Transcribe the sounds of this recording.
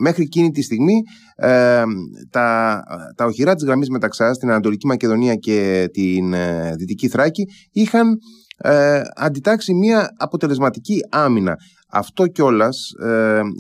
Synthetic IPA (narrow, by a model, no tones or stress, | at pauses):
me̞xɾicinit̪ist̪iɣmi | t̪ɐt̪ɐo̞çiɾɐt̪izɣɾɐmizme̞t̪ɐksɐst̪inɐnɐt̪o̞licimɐce̞ðo̞niɐce̞t̪inðit̪iciθɾɐci | ixɐn | ɐ̰nd̪it̪ɐksimiɐːpo̞t̪e̞le̞zmɐt̪iciɐminɐ̰ | ɐ̰ft̪o̞co̞lɐs